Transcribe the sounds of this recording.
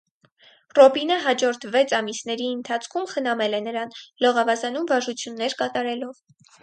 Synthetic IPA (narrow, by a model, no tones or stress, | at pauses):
rɔbinəɦɑd͡ʒɔɾt̪ʰvɛt͡sʰɑmisn̪ɛɾiənt̪ʰɑt͡sʰkʰumχənɑmɛlɛnəɾɑnlɔʁɑvɑzɑnumvɑʒut͡sʰjunːɛɾkɑt̪ɑɾɛlɔv